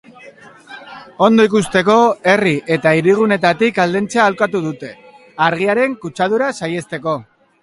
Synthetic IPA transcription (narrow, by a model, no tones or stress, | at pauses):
o̞nd̪o̞ikust̪e̞ko̞e̞riʔe̞t̪aiɾiɣ̞une̞t̪at̪ikald̪e̞nt͡saːlkat̪uð̞ut̪e̞ | aɾɣ̞iaɾe̞ŋkut͡ʃað̞uɾasaje̞st̪e̞ko̞